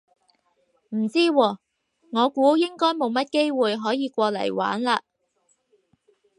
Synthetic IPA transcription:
m̩˨˩t͡siː˥wɔː˧ | ŋɔː˨˧kuː˨˥jɪ˥ŋkɔː˥jmo˨˧wmɐ˥t̚ke˥jwuː˨jɦɔː˨˥jiː˨˧kʷɔː˧lɐ̰˨˩jwa̰ː˨˥nlaː˧

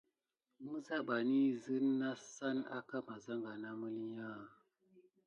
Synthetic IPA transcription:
mɨ˦za˦ɓa˨ni˦zɨ˦nː˦a˦sa˦na̰˦ka˦ma˨za˦ŋɡa˨na˦mə˦li˦ɲa˦

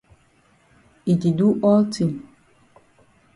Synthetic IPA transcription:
i˨ti˨du˦ʔɔ˦lti˨m

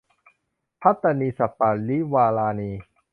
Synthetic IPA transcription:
pʰa˦˥t̪ːa˧niː˧sa˨˩pːa˨˩li˦˥waː˧laː˧niː˧

